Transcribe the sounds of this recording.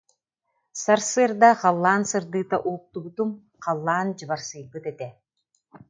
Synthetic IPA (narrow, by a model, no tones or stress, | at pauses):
saɾsɯɐɾd̪aχalˠːaːnsɯɾd̪ɯːt̪aʔuːk̚t̪ubut̪um | qɑlˠːaːnd͡ʑɯβaɾsɯjbɯt̪ɛt̪ɛ